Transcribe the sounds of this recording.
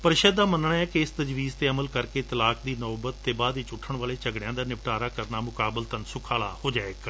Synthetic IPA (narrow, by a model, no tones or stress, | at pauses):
pəɾɪʃəd̪ːaːmənɳaːɛːkeɪst̪əd͡ʒʋiːzt̪eːəməlkəɾkeːt̪əlaːkd̪iːnɔːbət̪ːeːbaːd̪ʋɪt͡ʃʊʈʰːəɳʋaːleːt͡ʃəɡɽjãːd̪aːnɪʋʈaːɾaːkəɾnaːmʊkaːbəlt̪ənsʊkʰaːɭa̰ːhoːd͡ʒaːeːk